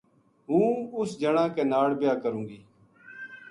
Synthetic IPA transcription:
ɦũːʊsd͡ʒəɳãːkeːnaːɽbɪjaːkəɾũːŋɡiː

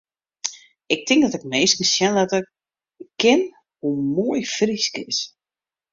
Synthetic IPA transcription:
ɪk̚tʰɪŋkdɔtɪkmeːskəsjɛndɔtək | kːɪn | humoəjfriskɪ̰s

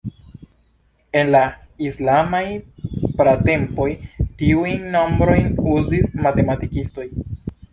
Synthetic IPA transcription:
e̞nlaislamajpɾate̞mpo̞jtiujnːo̞mbɾo̞jnuzismate̞matikisto̞j

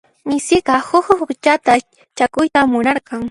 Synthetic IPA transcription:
mɪsɪɢɑhʊhʊxʊt͡ʃat̪a | t͡ʃakʊjt̪amʊnɑɾqɑŋ

